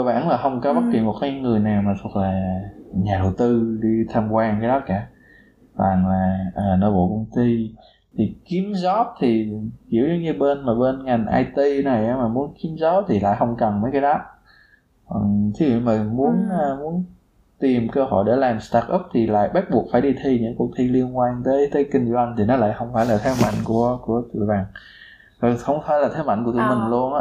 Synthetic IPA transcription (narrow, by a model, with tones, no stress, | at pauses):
ə˧wɓa̰ː˧˩nlaː˨˩ɦə˧wŋ͡mkɔ˨˦ɓə˦˥t̚ki˨˩mo˨˩t̚kaː˨˦jŋɨ˨˩əjna˨˩wmaː˨˩t̪ʰu˨˩ək̚laː˨˩ɲaː˨˩ɗə˨˩wt̪ɨ˧ɗi˧t̪ʰaː˧mkwaː˧ŋkaː˨˦jɗɔ˨˦kaː˧˩ | vaː˨˩ŋlaː˨˩ʔəː˨˩nɔ̰˧˨˦ɓo̰˧˨kə˧wŋ͡mt̪i˧ | t̪ʰi˨˩ki˨˦əmzɔ˦˥p̚t̪ʰi˨˩hḭ˧˩əwzə˨˧˦wɲɨ˧ɓe˧nmaː˨˩ɓe˧nŋa˨˩jŋ̟ʔa̰ː˧jt̪i˧na˨˩jʔaː˨˧˦maː˨˩mu˨˦ənki˨˦əmzɔ˨˦˥p̚t̪ʰi˨˩la̰ː˧˨jhə˧wŋ͡mkə˨˩nmə˨˦jkaː˨˦ɗɔ˨˦ | kwɔ˨˩ŋt̪ʰi˨˦vḭ˧˨mə˨˩mu˨˦ən˧mu˨˦ən | t̪i˨˩mkəː˧hɔ˧˩jɗe˧˩laː˨˩mst̪aː˧k̚ʔə˦˥p̚t̪ʰi˨˩la̰ː˧˨jɓa˦˥k̚ɓu˨˩ək̚faː˧˩jɗi˧t̪ʰi˧ɲɨ̰˧˥ŋku˧k̚t̪ʰi˧li˧ənkwaː˧nt̪əː˨˦jt̪əː˨˦jkï˧ŋ̟zwa˧jŋ̟t̪ʰi˨˩nɔ˨˦la̰ː˧˨jxə˧wŋ͡mfaː˧˩jlaː˨˩t̪ʰɛ˨˦ma̰˧˨jŋ̟ku˧˩əku˧˩ət̪ɨ̰˧˨əjɓaː˨˩ŋ˨˩ | xə˧wŋ͡mfaː˧˦jlaː˨˩t̪ʰa˨˦jma̰˧˨jŋku˧˩ət̪ɨ˧˨˩mï˨˩ŋ̟lu˧ənʔaː˧˦